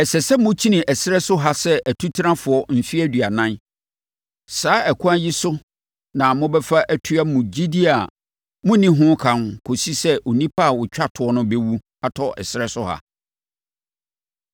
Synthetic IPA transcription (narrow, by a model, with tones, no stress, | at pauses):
ɛ˨sɛ˨sɛ˦mʊ̃˦t͡ɕʰi˦nɪ̃˨ʔɛ˨sɪ˦ɾɛ˦sʊ˦ɦa˦sɛ˦ʔæ˨tʰu˦tʰi˦ɾã˦fʊ˨ɔ˦m̩˨fi˦æ˦˨dɥa˨nã˦n | saː˦ɛ˨kʰʊ˦ã˦ji˦sʊ˦ | nã˨mʊ̃˦bɛ˦fa˦ʔæ˦tʰʊ˦a˦mʊ̃˨d͡ʑi˦di˦a˨ | mʊ̃˦nĩ˦ɦʊ̃˦kʰã˨nkʰo˨si˦sɛ˦ʔo˨nĩ˦pʰa˦a˨wʊ˨t͡ɕᶣa˦tʰʊ˨ɔ˦nʊ̃˦be˦wu˦ | a˨tʰɔ˦ɛ̰˨sɪ˦ɾɛ˦sʊ˦ha̰˨